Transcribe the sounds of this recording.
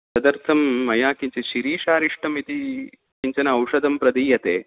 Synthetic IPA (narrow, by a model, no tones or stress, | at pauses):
sɐd̪ɐɾt̪ʰɐmːɐjaːkiɲt͡ɕeɕiɾiːʃaːɾiʂʈʰɐmit̪i | kiɲt͡ɕɐnɐɐwʂɐd̪ɐmpɾɐd̪iːjɐt̪eː